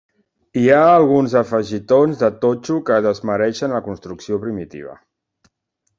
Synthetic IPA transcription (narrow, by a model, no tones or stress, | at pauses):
iaːlˠɣunzəfəʒit̪onzðət̪ot͡ʃukəðəzməɾɛʃənləkunst̪ɾuksiopɾimit̪ḭβ̞ə̰